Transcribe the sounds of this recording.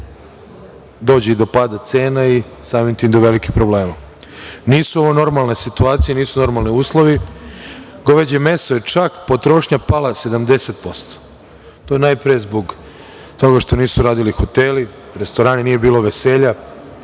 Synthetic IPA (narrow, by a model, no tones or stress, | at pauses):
d̪o̞ːd͡ʑeid̪o̞pad̪at̪se̞ːnai | saːmint̪imd̪oʋelikipɾobleːma | niːsuo̞ʋono̞ɾmalˠnesit̪uaːt̪sijeniːsuno̞ɾmalˠniuːslˠo̞ʋi | ɡo̞ʋed͡ʑeme̞sojet͡ʂakpo̞t̪ɾo̞ʃɲapalˠase̞d̪amd̪e̞set̪̚po̞st̪o̥ | t̪o̞jenajpɾijezbo̞ɡ | t̪o̞ɡaʃt̪o̞niːsuɾaːd̪ilixot̪eli | ɾest̪o̞ɾaːninije̞biːlo̞ʋe̞se̞ːʎa